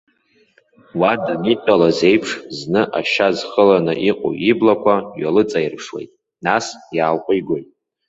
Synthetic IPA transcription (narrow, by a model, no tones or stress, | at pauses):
wadanitʼalaze̞jpʰʂznɨʔaʃazχəlanɨʔiqʼo̰iblakʷʰaɥalɨt͡sʼajirpʰʂwe̞̰jtʼ | nasjaːlqʷʼiɡʷojtʼ